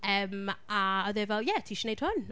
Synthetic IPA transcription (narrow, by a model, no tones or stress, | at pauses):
əmaɔðevɛlˠjɛtʰiːʃnejd̥hʊn